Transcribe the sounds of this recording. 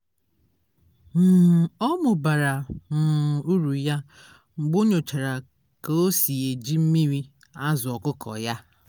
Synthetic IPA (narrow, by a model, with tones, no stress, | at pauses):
m̩˨ɔ˦mʊ˨ba˨ɾa˨m̩˨u˦ɾu˨ja˦ | ŋ͡m̩˨ɡ͡bo˦ɲo˨t͡ʃa˨ɾa˨ | ka˨o˦si˨e˨d͡ʒi˦m̩˦mi˦ɾi˦ | a˦zʊ˨ɔ˨kʊ˦kʰɔ̰˨ja˦